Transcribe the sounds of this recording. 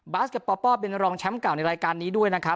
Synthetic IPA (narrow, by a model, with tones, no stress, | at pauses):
baː˦˥ske˨˩t̪̚pɔː˧pɔː˥˩pe˧nɾɔː˧ŋt͡ɕʰɛ˦˥mka˨˩wna˧jɾaː˧jkaː˧nːiː˦˥du˥˩əjna˦˥kʰɾa˦˥p̚